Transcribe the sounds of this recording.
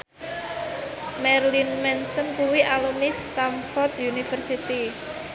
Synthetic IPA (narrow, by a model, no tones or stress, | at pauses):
mɛɾlinmɛnsənkuwiʔalumnist̪amfɔrt̪junifərsit̪i